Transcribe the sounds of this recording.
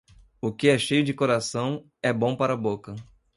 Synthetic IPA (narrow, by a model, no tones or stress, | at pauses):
ʊkɪɛʃejʊd͡ʒɪkoɾasɐ̃w̃ | ɛbõw̃paɾɐbokɐ